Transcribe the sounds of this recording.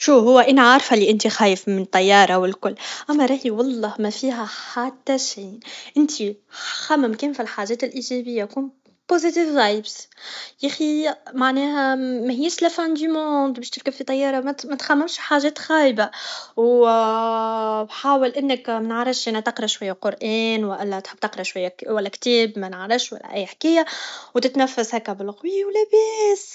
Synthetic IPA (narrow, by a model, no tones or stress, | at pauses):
ʃuːɦʊwːæʔɪnʕaɾˤfæliʔɪnt̪ixæːjəfmɪnt̪ˤːɑjːɑːɾˤɑwɪlkʊlːʔæmːæɾˤɑːhiwɑlˤːɑːhmæfiːɦæħat̪ːæʃiːnʔɪnt̪ʰixæmːɪmkeːmfilħaːʒɛːt̪ɪlʔiːʒɛbɪjːakuːn | pozit̪iːvɣɑʕiːbsjæːximaʕnɛːɦæmæhɪjːæʃlæfænd̪ymoːd̪bɛːʃt̪ɪɾkabfit̪ˤɑjːɑːɾˤɑmæmæt̪xæmːɪmʃħaːʒɛːt̪ɣæːjbaw | bħaːwɪlʔɪnːɪkmænəʕɾˤɪfʃʔænæt̪ɑqɾˤɑʃwæjːæqʊɾʔɛːnwʔlːæt̪ħəb̚t̪ɑqɾˤɑʃwæjːæwælːækt̪ɛːbmænʕɾˤɪfʃwæ̰lːæ̰ʔæjːħkɪjːawt̪ɪt̪næfːæshækːæbɪlqwiːwlæbɛːs